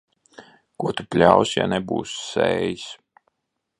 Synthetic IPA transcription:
kuɔt̪uplʲawsja̰nebṵːsːɛ̰ːjis

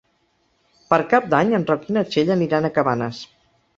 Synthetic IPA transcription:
pəɾkap̚d̪aɲənrɔkinət͡ʃeʎəniɾanəkəβanəs

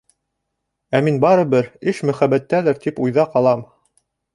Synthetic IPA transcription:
æminbɑɾɤ̆βɘɾɘʃmɵ̆χæbæt̪ːælæɾt̪ipujðɑqɑlˠɑm

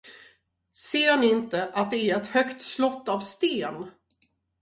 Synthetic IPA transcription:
seːnɪɪnt̪əʔat̪̚d̪ɛæɾɛt̪hœkt̪slɔt̪ːavst̪eːn

